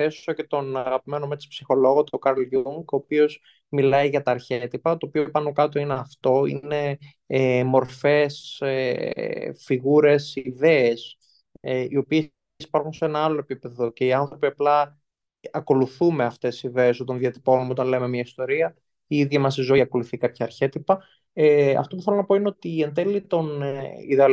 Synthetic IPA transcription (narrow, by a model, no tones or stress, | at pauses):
θeso̥sɐce̞t̪o̞nɐɣɐpime̞nomet̪i̥spsixo̞lo̞ɣot̪okɐɾlʝuŋɡo̞ːpio̞z | milɐiʝɐt̪ɐːɾçet̪ipɐt̪o̞ːpiopɐnokɐt̪o̞ineɐft̪o̞ḭne̞ | mo̞ɾfe̞se | fiɣuɾe̞sðe̞ːs | eio̞pie | si̥pɐɾxunseenɐɐlo̞e̞pipe̞ðo̞ce̞iɐnθɾo̞piɐplɐ | ɐko̞luθumeɐft̪e̞siiðeːsot̪ɐnðiɐt̪i̥ponmeot̪ɐnleme̞mɲɐist̪o̞ɾiɐ | iiðʝɐmɐsizo̞iɐko̞luθikɐpçɐːɾçe̞t̪ipɐ | eɐ̰ft̪ouθe̞lonɐpo̞ineot̪iend̪elit̪o̞niðeɐl